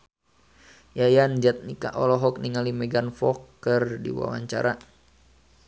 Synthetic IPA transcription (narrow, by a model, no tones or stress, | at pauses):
jajand͡ʒat̪̚nika̰ʔɔlɔɦɔk̚niŋalimɛɡanfɔkːərdḭwa̰wa̰ɲt͡ʃa̰ɾa